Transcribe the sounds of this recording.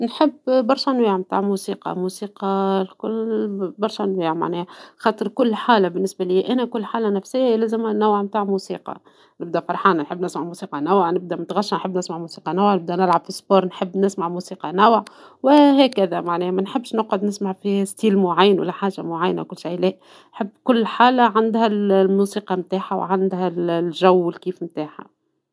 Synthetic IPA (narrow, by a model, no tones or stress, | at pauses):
nħəbːbɑɾˤʃɑnwiːʕmt̪a̰ːʕmusiːqɑ̰musiːqɑlkʊlbɑɾˤʃɑnwiːʕma̰ʕnɛːhæxɑːt̪ˤɨɾkʊlːħaːlabɪnːɪsbæliːʔænækʊlːħaːlænæfsɪjːalæːzɪmhænːæwʕmt̪aːʕmusiːqɑ̰ | nɪb̚d̪æfɑɾˤħaːnanħɪbːnɪsmaʕmusiːqɑnæwʕnɪb̚d̪æmʊt̪ɣɑʃːɑnħəbːnɪsmaʕmusiːqɑnawʕnɪb̚d̪ænɪlʕab̥fisboːɾˤnħɪbːnɪsmaʕmusiːqɑnæwʕwɪɦhæːkæðæmaʕnɛːmænħɪbːʃnʊqʊd̪nɪsmaʕfist̪iːlmʊʕajːənwɪ̰lːæħaːʒamʊʕajːna̰kʊlːʃajlɛːʔ | nħəbːkʊlːħaːlaʕand̪hællmuːsiːqɑmt̪aːħaw̰ʕand̪hællʒæwːɪlkiːfmt̪aːħa̰